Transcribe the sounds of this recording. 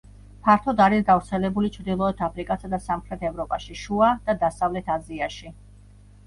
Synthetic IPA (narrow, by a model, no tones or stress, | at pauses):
pʰaɾt̪ʰɔd̪aɾisɡavɾt̪sʰɛlɛbulit͡ʃʰɾd̪ilˠɔɛt̪ʰapʰɾikʼasad̪asamχɾɛt̪ʰɛvɾɔpʼaʃiʃuad̪̥ad̪asavlɛt̪ʰaziaʃi